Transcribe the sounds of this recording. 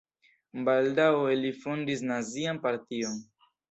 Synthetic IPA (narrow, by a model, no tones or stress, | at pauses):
baldawelifondis̬nazianpaɾtion